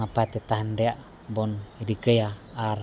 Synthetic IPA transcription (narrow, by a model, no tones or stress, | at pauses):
apat̪et̪aɦəndeaʔ | bɔnidikəjaː | r